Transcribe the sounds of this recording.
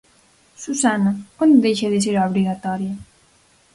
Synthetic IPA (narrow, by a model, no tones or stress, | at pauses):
susanaond̪eʃeðes̬eɾaβɾiɣat̪ɔɾja